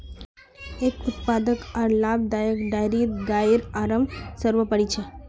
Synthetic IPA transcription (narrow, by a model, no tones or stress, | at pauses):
ekʊt̪̚pad̪əkaɾlab̚d̪ajəkɖaiɾid̪aɪɾaɾəmbsəɾʋəpəɽit͡ʃʰe